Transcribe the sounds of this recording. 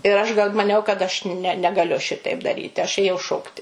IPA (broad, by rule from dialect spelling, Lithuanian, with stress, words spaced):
ɪr ˈɐʃ ɡɐlˠ mɐˈnʲɛʊ kɐt ɐʃ nʲɛ nʲɛɡɐˈlʲʊ ˈʃʲɪtɐɪp dɐˈrʲiːtʲɪ ɐʃ ˈeːjɛʊ ˈʃoːktʲɪ